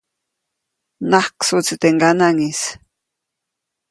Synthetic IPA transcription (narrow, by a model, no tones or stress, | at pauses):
nahksut͡sit̪eŋɡanaŋis